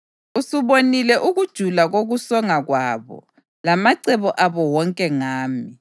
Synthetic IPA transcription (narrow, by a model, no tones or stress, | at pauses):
usuβonilɛʔuɣud̥ʒ̥ʱulaɣoɣusɔŋaɣwaːβɔ̰ | lamaǀɛβɔʔaβɔwɔŋkʼɛŋaːmi